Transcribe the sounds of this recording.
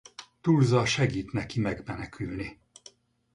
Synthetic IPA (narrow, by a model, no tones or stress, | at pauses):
t̪ulzɒʃɛɡiːt̪nɛkimɛɡmɛnɛkʰylni